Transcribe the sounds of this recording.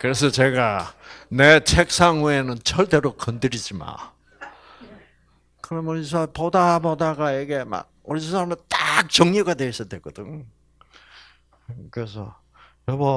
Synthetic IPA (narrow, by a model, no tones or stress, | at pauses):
kɯɾe̞s̬ʰʌt͡ɕe̞ɡanet͡ɕʰek̚s͈ʰaŋuenɯnt͡ɕʰʌɭt͈eɾokʌndɯɾid͡ʑima̰ | kɯɾʌmʌɾisʰapodapodaɡajeɡema̰k̚ʌɾisʰusʰamet͈ak̚t͡ɕʌŋɲuɡadweis͈ʌdwek͈ʌdɯŋ | kɯɾes̬ʰʌ̰ | ɾʌbʌ